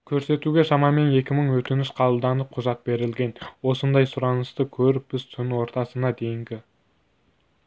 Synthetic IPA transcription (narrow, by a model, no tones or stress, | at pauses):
kʲʰɵɾse̞t̪uɡʲe̞ʃɑmɑme̞ne̞kʲɪməɴwɵt̪ɪnɪʃqʰɑlˠlˠd̪ɑnəp̚qʰʊzɑt̪̚be̞ɾɪlɡʲe̞nwo̞sənd̪ɑjsʊɾɑnəst̪əkʲʰɵɾɪk̚b̥ɪzt̪ʰʏnwo̞ɾt̪ɑsənɑd̪e̞jɪŋɡʲɪ